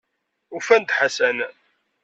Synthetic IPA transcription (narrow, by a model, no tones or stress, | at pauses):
ufænd̪ħasæn